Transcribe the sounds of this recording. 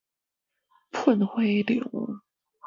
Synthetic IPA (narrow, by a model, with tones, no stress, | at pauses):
pʰə˥˧nxwe˥ɪlḭ˨˩˦ŋ